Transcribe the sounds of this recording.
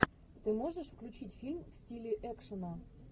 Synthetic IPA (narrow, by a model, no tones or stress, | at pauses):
t̪ɨmoʐəʂfklʲʉt͡ɕitʲfʲilʲmfsʲtʲilʲɪʔɛkʂənə